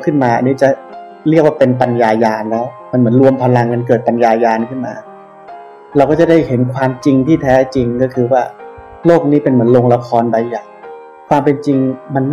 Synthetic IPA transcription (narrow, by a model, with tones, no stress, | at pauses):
kʰɯ˥˩nmaː˧ʔa˧niː˦˥t͡ɕa˨˩ | ɾi˥˩ək̚waː˥˩pe˧npa˧njaː˧jaː˧nlɛː˦˥wma˧nmɯ˩˦ənɾu˧əmpʰa˧la˧ŋka˧nk̬ɯ˨˩ət̪̚pa˧njaː˧jaː˧nkʰɯ˥˩nmaː˧ | ɾwkɔː˥˩t͡ɕa˨˩da˥˩jhe˩˦nkʰwaː˧mt͡ɕi˧ŋt̪ʰiː˥˩t̪ʰɛː˦˥t͡ɕi˧ŋkɔː˥˩kʰɯː˧waː˥˩ | loː˥˩k̚niː˦˥pe˧nmɯ˩˦ənloː˧ŋla˧kʰɔː˧nba˧jjaː˨˩ŋ | kʰwaː˧mpe˧nt͡ɕi˧ŋma˧nː